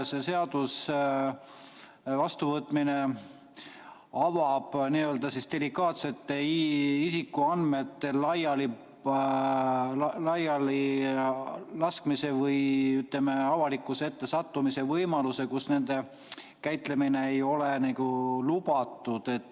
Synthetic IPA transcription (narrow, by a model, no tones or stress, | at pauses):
se̞se̞ɑd̪̥us | vɑst̪uvɤt̪ːˑmine̞ | ɑvɑb̥niːø̞ld̪ɑsisd̪̥e̞likːˑɑːt̪se̞t̪ːe̞isikːˑuɑnme̞t̪ːe̞lɑjɑli | lɑjɑli | lɑskmise̞vɤjyt̪ˑle̞me̞ɑvɑlikːˑuseet̪ːe̞sɑt̪ːumise̞vɤjmɑluse̞kusne̞nd̪̥e̞ | kæjt̪le̞mineejo̞lenikulubɑt̪ːˑud̪̥e̞t̪ːˑ